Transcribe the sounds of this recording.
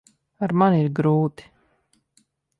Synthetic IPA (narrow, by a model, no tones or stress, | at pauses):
aɾmaniɾɡɾuːt̪i̥